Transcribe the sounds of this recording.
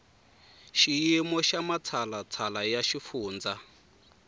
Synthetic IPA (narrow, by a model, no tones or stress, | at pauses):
ʃijimɔʃamat͡sʰalat͡sʰalajaʃifuːnd͡za